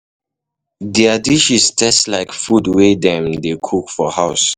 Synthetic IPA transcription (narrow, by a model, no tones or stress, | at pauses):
dɛadiʃistʰɛstlaɪkfudwedɛ̃mdekʰukfɔhaʊs